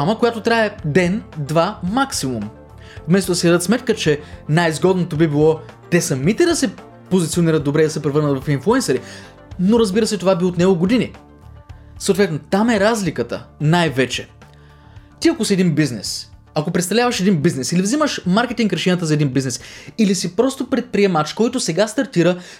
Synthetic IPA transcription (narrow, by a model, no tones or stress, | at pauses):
aməkojat̪ot̪ɾaɛd̪ɛnd̪vamaksimum | fmɛst̪od̪ɐsɛd̪d̪ət̪smɛt̪kət͡ʃɛnajzɡɔd̪not̪obibilˠɔ | t̪ɛsɐmit̪ɛd̪ɐsɛ | pozit̪sioniɾət̪̚d̪obɾɛid̪ɐsɛpɾɛvɤɾnət̪vɐfinflˠuɛnsɐɾi | noɾɐzbiɾəsɛt̪ovabiot̪nɛɡoɡod̪ini | səot̪vɛt̪not̪amɛɾazlikət̪ə̰najvɛt͡ʃɛ | t̪iɐkosiɛd̪inbiznɛs | ɐkopɾɛt̪st̪ɐvlʲavɐʃɛd̪inbiznɛsilivziməʃmaɾkɛt̪iŋkɾɐʃɛnjət̪əzɐɛd̪inbizɛsilisipɾɔst̪opɾɛt̪̚pɾiɛmat͡ʃkɔjt̪osɛɡast̪ɐɾt̪iɾə